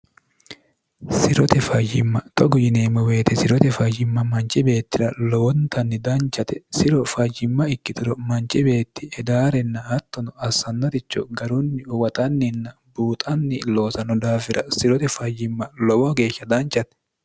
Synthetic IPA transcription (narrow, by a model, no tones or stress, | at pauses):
sɪɾɔt̪ɛfɐjɪmːɐt̪ɔɡɔjɪneːmɔwe̞ːt̪ɛsɪɾɔt̪ɛfɐjɪmːɐmɐnt͡ʃʼɪbe̞ːt̪ːɪɾɐlɔwɔnt̪ʰɐnːɪd̪ɐnt͡ʃːɐt̪ɛsɪɾɔfɐjːɪmːɐɪkːɪt̪ɪɾɔmɐnt͡ʃʼɪbe̞ːt̪ːɪ̥ɛd̪aːɾɛnːɐɐt̪ːɔnɔɐsːɐnːɔt̪ɪt͡ʃːɔ̰ɡɐɾʊnːɪʊwɐt̪ʼɐnːɪnːɐbuːt̪ʼɐnːɪlo̞ːsɐnɔd̪aːfɪɾʔɐsɪɾɔt̪ɛfɐjːɪmːɐlɔwɔɡe̞ːʃːɐd̪ɐnt͡ʃːɐt̪ɛ̥